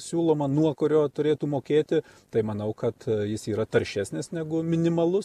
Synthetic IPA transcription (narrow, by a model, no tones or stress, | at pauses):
sʲuːlˠoːmɐnuɔkʊɾʲoːt̪ʊɾʲeːt̪uːmoːkʲeːt̪ʲɪt̪ɐɪmɐnɐʊkɐt̪jɪsiːɾɐt̪ɐrʲʃʲæːsʲnʲɪsnʲæɡʊmʲɪnʲɪmɐlˠʊs